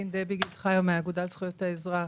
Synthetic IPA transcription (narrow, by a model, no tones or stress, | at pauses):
ind̪ebiɡit̪χajomeaɡud̪alsχujotaezʁa